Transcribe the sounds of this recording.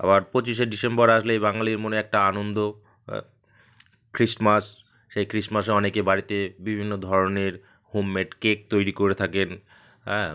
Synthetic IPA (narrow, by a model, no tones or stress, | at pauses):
a̰baɾpot͡ɕiʃeɖisemboɾaʃlejβbaŋaliɾmoneɛk̚ʈaanond̪o | kɾismasː | ejkɾismas̬eɔnekebaɾit̪ebibʱinːod̪ʱɔɾoneɾ | homːeʈkek̚t̪ojɾikoɾet̪ʰaken | ɛ